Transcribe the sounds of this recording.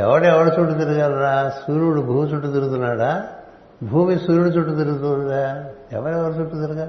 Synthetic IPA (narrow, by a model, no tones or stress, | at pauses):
ɛ̰ʋɐɽeɛʋɐɽut͡ʃuʈːut̪̬iɾɐɡaːlɾasuːɾuɽubʱuːmit͡ʃuʈːut̪̬iɾut̪unːaːɽa | bʱuːmisuːɾuɽut͡ʃuʈːut̪̬iɾɡut̪ud̪a | ɛ̰ʋɐɽɛʋɐɽut͡ʃuʈːut̪iɾɡa